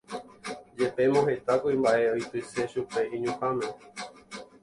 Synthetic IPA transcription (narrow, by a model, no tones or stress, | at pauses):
d͡ʒe̞pe̞mõɦe̞t̪akuimbaʔe̞ojt̪ɨse̞ʃupe̞ʔĩɲũkãmẽ